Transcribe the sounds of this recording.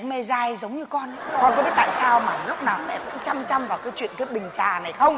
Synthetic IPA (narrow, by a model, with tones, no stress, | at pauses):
me˧zaː˧jzə˨˦wŋ͡mɲɨ˧kɔ˧nkɔ˨˧nkɔ˨˦ɓi˦˥t̚ta̰ː˧˨saː˧wmaː˨˩lk͡p̚naː˨˩wmɛ̰˧˥və̰˧˥nt͡ɕa˧mt͡ɕa˧mvaː˨˩wkaː˨˦jt͡ɕwḭ˧˨ənka˨˦ɓï˨˩ŋ̟t͡ɕaː˨˩na˨˩jxə˧wŋ͡m